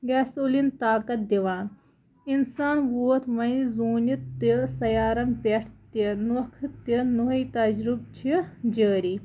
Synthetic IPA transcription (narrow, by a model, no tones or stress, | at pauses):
ɡɛːsulint̪aːkɐt̪̚d̪iʋaːn | insaːnʋuːt̪ʰʋɐ̃ĩzuːnit̪ːisɐjaːɾɐmpeʈʰt̪inuɐkʰt̪inuɦit̪ɐd͡ʒɾub̚t͡ʃʰid͡ʒəːɾi